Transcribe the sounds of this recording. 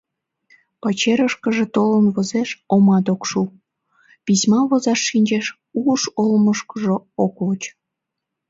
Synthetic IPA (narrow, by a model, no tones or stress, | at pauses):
pɑt͡ɕeɾəʃkəʒet̪olənβəzeʃomɑd̪okʃu | pismɑβozɑʃːinʲt͡ɕeʃ | uʃolməʃkəʒooklot͡ɕ